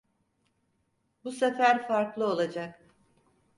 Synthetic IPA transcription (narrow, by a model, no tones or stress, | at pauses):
busefæɾfaɾklˠɯolˠad͡ʒak